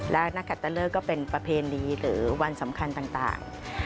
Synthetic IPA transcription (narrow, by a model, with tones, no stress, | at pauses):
lɛ˦˥na˦˥kʰːa˨˩t̪ːa˧lɤː˥˩kːɔː˥˩pe˧npɾa˧pʰeː˧nːiː˧ɾɯː˩˦wa˧nsa˩˦mkʰa˧nt̪aː˨˩ŋt̪a̰ː˨˩ŋ